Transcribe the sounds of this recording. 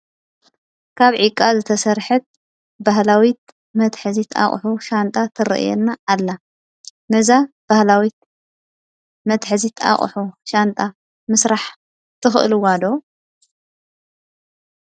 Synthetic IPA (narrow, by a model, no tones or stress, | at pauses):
kʰaβʕikʼːazɨt̪ʰɐsɐɾħɨt̪̚ | baɦlawit̪̚ | mɐt̪ħɨzit̪ʰa̰χʼħuʃant̪ʼat̪ʰɨɾɨ̰ʔjɛ̰nːaːlːa | mɐza | b̥ahlawit̪̚ | mɐt̪ħɨzit̪ʰa̰χʼħuʃant̪ʼa | mɨsɾaħ | t̪ʰɨxʔɨ̰lwad̪o